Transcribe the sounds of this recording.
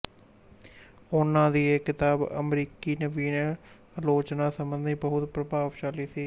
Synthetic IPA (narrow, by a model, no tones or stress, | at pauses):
ʊnãːd̪iːekːɪt̪aːbə̰mɾiːkiːnəʋiːn | loːt͡ʃnaːsəmənd̪ʱiːbəɦʊt̪pɾəbaːʋʃaːliːsiː